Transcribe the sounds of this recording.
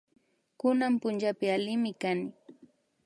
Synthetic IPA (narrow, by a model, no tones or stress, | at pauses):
kʊnampʊnt͡ʃapɪalɪmɪkanɪ